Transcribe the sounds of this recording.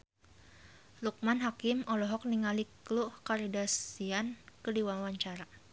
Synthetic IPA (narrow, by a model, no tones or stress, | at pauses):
luk̚manɦakɪmɔlɔɦɔk̚niŋalikluhkaɾidasiankədiwawaɲt͡ʃaɾa